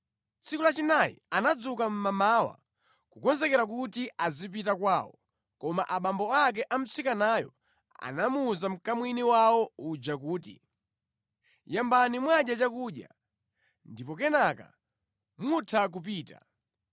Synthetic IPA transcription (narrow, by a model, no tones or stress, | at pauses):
t͡sʰikulat͡ʃinajḭanad͡zukam̩mamaːwa̰ | kukɔnzɛkɛɾak̬utiazip̬itakwaːwɔ | kɔmaʔaɓambɔak̬ɛʔam̩t͡sikanaːjɔ̰ | a̰namuːzam̩kamwiniwawɔud͡ʒakuːtḭ | jambanimwaɗjat͡ʃakuɗja̰ | ndipɔkɛnaka̰ | mutʰak̬up̬iːta̰